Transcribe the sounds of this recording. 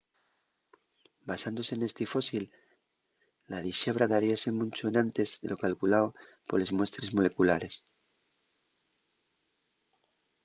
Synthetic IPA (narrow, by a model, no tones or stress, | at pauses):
basand̪o̞se̞nest̪ifo̞sil | aðiʃe̞β̞ɾaðaɾiase̞mũnt͡ʃonãnt̪e̞zðe̞̰lo̞kalkulao | po̞ɾle̞zmwe̞st̪ɾe̞zmo̞le̞kulaɾe̞s